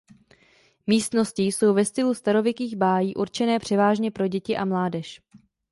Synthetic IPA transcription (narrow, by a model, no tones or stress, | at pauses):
miːst̪no̞sciːso̞wvɛst̪ɪlust̪aɾo̞vɪkiːɣbaːjiːʔuɾt͡ʃɛnɛːpr̝̥ɛvaːʒɲɛpɾo̞ɟɛcɪʔamlaːdɛʃ